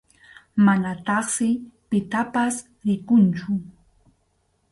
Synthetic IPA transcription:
manat̪ɑχsɪpɪt̪apas | ɾɪkʊnt͡ʃʊ

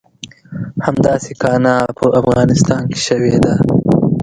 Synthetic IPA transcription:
hamd̪ɑːsekɑːnɑpəʔafɣɑːnɪst̪ɑːnke̥ʃɐwed̪a

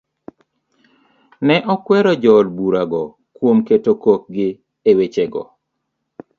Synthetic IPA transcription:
nɛʔɔkwɛɾɔd͡ʒɔlbuɾaɡɔ | kwomketokok̚ɡɪ | ewet͡ʃeɡɔ̰

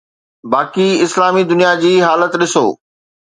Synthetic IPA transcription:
baːkiɪslaːmid̪ʊnijad͡ʑiːɦaːlət̪ɗɪso̰ː

